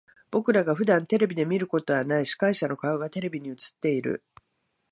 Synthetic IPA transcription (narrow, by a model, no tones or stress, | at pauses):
b̥o̞kɯ̟ɾaɡaɸɯ̟d̪ãnt̪e̞ɾe̞bʲid̪e̞mʲiɾɯ̟ko̞t̪o̞βanaiɕi̥kaiɕano̞kaɯɡat̪e̞ɾe̞bʲiɲ̟iɯ̟t͡sɨ̥t̪ːe̞iɾɯ̟̰